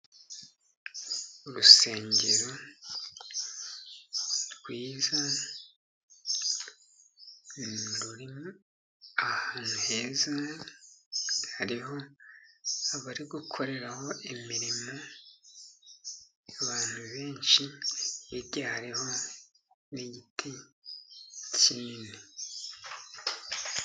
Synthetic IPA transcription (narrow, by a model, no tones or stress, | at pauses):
uɾuseːɲɟeɾo | ɾɡwiːza | ɾuɾimo | ahaːn̥huhe̞ːza | haɾiɦo̞ | aβaɾiɡukʰo̞ɾe̞ɾaho̞ʔimiɾimo̞ | aβaːn̥huβeːnʃijeɾɟaːhɾeho̞ | neɟitʰi | ciːne